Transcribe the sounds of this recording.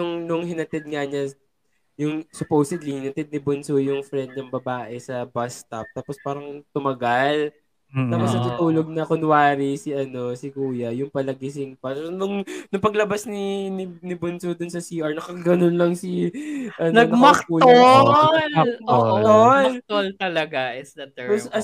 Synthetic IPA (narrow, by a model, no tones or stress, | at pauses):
nʊŋnʊŋhɪnɐt̪ɛd̪̚ŋɐɲɐ | jʊŋsʊpowsɛd̪lihɪnɐt̪ɛd̪̚ɪbʊnsojʊŋfɾɛnd̪̚nɐŋbɐbaːʔɛsɐbast̪ɐp̚t̪aːpospaːɾɐŋt̪ʊmɐɡɐl | t̪aːposnɐt̪ut̪uːloɡ̚nɐkonwaːɾisiʔɐno̞sɪkuːjɐjʊŋpɐlɐɡɪs̬ɪnpɐsonʊŋnʊŋpɐɡlɐbasninɪnɪbonsod̪ʊnsɐsiːʔɐɹnɐkɐkɐɡɐnonlɐŋsiʔɐnoɐnɐmɐkkuːloloɐnolt̪olt̪ɐlɐɡaʔɛsɐt̪posɐ